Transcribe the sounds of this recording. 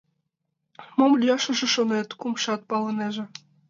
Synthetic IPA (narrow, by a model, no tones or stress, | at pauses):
momlʲjɑʃɤ̆ʒĕʃonet̪kumʃɑt̪̚pɑlɤ̆neʒĕ